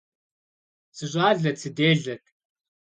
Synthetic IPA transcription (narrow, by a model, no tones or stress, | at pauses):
sʰɨɕ̬ʷʼaːɮɐt͡sʰɨdeːɮɐkʼ